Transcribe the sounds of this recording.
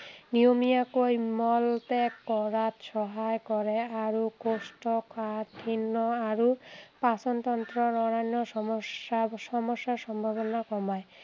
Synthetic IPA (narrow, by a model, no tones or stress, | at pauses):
nijomijakojmɔltɛkːɔɹat̪sɔɦajkɔɹɛaɹukɔstɔkʰatʰinːɔaɹupasɔnt̪ɔnt̪ɹɔnɔɹajnɔsɔɔasɔmɔsːasɔmbʱaβɔnakɔmaj